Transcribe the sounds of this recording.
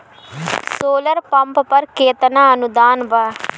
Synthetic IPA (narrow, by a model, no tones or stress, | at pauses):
soːləɾpəmppəɾkeːt̪naːənʊd̪aːnʋaː